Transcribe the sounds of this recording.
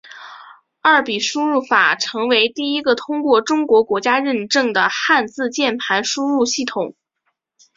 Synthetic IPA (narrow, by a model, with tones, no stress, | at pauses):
a˥˩pi˨˩ʂu˥ɻu˥˩fa̰˨˩ʈ͡ʂʰɤ˧˥ŋwe˧˥ɪt̪i˥˩i˥ɡə˨t̪ʰʊ˥ŋkwɔ˥˩ʈ͡ʂʊ˥ŋkwɔ˧˥kwɔ˧˥t͡ɕja˥ɻə˥˧nʈ͡ʂɤ˥˩ŋd̪ə˩xa˥˧nt͡sɹ̩˥˧t͡ɕjɛ˥˩npʰa˧˥nʂu˥ɻu˥˧ɕi˥˩t̪ʰʊ˨˩˦ŋ